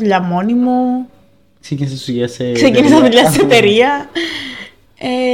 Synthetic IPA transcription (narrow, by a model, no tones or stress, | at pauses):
uʎɐmo̞nimu | ksekinisesuʝɐsekse̞cinis̬ɐðuʎɐseet̪eɾiɐ | e